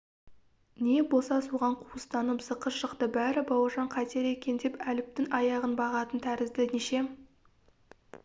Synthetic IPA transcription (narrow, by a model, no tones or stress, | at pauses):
ne̞bo̞lˠsɑsuʁɑɴqʰuəst̪ɑnəpsəqəʃəqt̪əbæɾɪbɑwɑʒɑɴqʰɑt̪e̞ɾe̞kʲe̞nd̪e̞pælɪp̚t̪ɪŋɑjɑʁənbɑʁɑt̪ənt̪ʰæɾɪzd̪ɪneʃe̞